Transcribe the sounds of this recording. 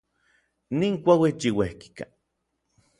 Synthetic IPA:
niːŋkʷawit͡ʃiwehki̥ka̰

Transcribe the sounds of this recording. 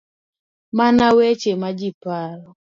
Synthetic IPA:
manawet͡ʃemad͡ʒipaɾɔ

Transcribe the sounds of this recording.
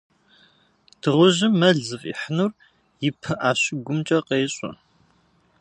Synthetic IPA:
tʰɨʁʊʑɪmːɐɮzɨfḭħənur | jɪpʰɐʔaːɕɪɡʷʊmt͡ʃʼɐqeːɕʼʊ̰

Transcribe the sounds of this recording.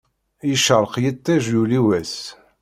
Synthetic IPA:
jəʃəɾˤqjət̪ˤːæʒjuliwæs

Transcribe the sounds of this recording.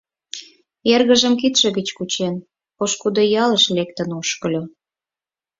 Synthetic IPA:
erɣə̆ʒə̆mkit̪ʃĕɣət͡ɕkut͡ɕen | poʃkud̪ojɑləʃlek̚t̪ə̆nuʃkə̆lʲo

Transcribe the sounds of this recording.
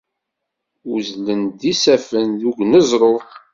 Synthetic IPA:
uzlənd̪isæfənðuɡnəzˤɾˤo

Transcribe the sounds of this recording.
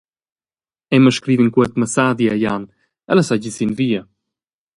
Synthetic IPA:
ɛməʃkɾivinkuɛt̪məsaðjiaɛjan | a̰lɛsaɟisinvia

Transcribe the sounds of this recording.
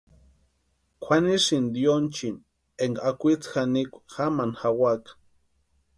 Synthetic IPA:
kʷʰanisind̪jont͡ʃin | eŋɡaakʷit͡sxanikʷḁxamanxawakḁ

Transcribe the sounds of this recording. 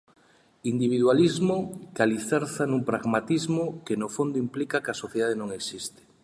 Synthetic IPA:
ind̪iβ̞iðwalizmokaliθɛɾθanũŋpɾaɣmat̪izmokenofond̪oimplikakasoθjeðað̞enõŋeksist̪e̥

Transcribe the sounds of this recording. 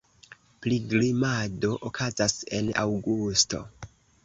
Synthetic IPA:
pliɡlimado̞ʔokʰazase̞na̰wɡusto̞̰

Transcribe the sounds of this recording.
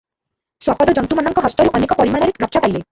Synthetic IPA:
swapɔd̪ɔd͡ʒɔnt̪umanɔŋkɔɦɔst̪ɔɾuʔɔnekɔpɔɾimaɭ̃ɔɾeɾɔkʰːjapajle

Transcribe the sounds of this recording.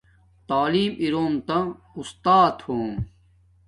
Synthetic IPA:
t̪aːliːmiɾoːmt̪ɐ̃ | ust̪aːt̪hoːm

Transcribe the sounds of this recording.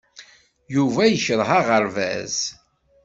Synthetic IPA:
juvæjəçɾˤɦaʁəɾvæ̰z

